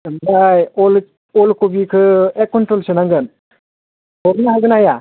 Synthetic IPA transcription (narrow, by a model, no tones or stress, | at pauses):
mbajɔl | ɔlkubikʰɯekːɔntɾɔlsɯnaŋɡɯn | hɔɾnaɦaɡɯnaja